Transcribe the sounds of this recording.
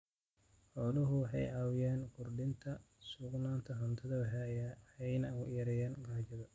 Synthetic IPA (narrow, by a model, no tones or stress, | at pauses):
ħɔlʊɦʊwħɑjʕɑwɪjɛːnkʰʊrɖɪnt̪ʰɐ | sʊɡnaːnt̪ʰɐɦɐnt̪ʰɐðɐwɦɛjɐɛjnɐʊjɐɾɛjɛːnɡaːt͡ʃɐðɐ